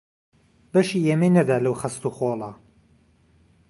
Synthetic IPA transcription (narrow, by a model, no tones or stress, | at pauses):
bɐʃiːʔemenɐd̪aːlɐwxɐst̪uxolˠɐ